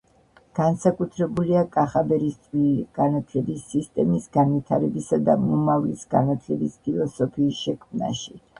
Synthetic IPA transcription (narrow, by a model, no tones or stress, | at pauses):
ɡ̥ansakʼut̪ʰɾɛbuliakʼaχabɛɾist̪sʼiɡ̥anat̪ʰlɛbisːist̪ʼɛmisɡanvit̪ʰaɾɛbisad̪amɔmavlisɡa̰nat̪ʰlɛbispʰilˠɔsɔpʰiːsʃɛkʰmna̰ʃi